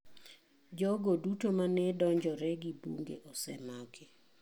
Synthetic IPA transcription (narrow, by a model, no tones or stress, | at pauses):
d͡ʒɔɡodutomanɛdɔɲd͡ʒɔɾɛɡibṵŋɡḛʔɔsɛmɔkʰe